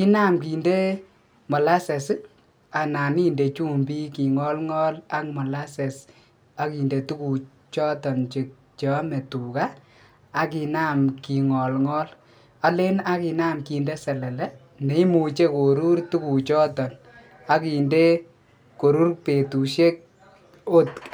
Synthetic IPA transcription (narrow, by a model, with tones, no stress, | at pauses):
ki˦na˦mki˨nde˦ | mɔ˨la˦se˨s | a˨na˨ni˦nde˨t͡ʃu˦mbi˦ki˨ŋɔ˦lŋɔ˦la˦k̚mɔ˨la˦sɛ˨s | a˦ki˨nde˨tu˦ku˨ | t͡ʃɔ˦tɔ˨nt͡ʃe˨k̚ | t͡ʃːme˨tu˨kaː˦ | ki˨na˦mki˨ŋɔ˨lŋɔ˦l | a˨le˦na˦ki˧na˦mki˨nde˦sɛ˨lɛ˨lɛ˦ | ne˨i˦mu˨t͡ʃe˦ko˨ɾu˦rtu˦ku˨t͡ʃɔ˦tɔ˨n | a˦ki˨nde˦ | ko˨ɾu˦rpe˨tu˨ʃe˦k̚ | o˦t